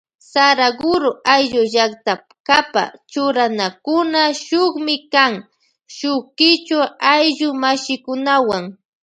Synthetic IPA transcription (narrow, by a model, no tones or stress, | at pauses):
saɾaɡʊɾʊʔajʎʊʒakt̪apkapa̰t͡ʃʊɾanakʊnaʃʊχmɪkaŋ | ʃʊkɪt͡ʃʊajʎʊmaʃɪkʊnawaŋ